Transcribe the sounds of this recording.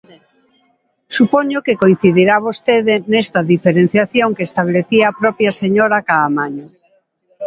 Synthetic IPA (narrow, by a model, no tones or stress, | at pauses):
supoɲokekoin̟θiðiɾaβost̪eðenest̪aðifeɾen̟θjaθjoŋkeːst̪aβ̞leθiaːpɾɔpjaseɲoɾakaːmaɲo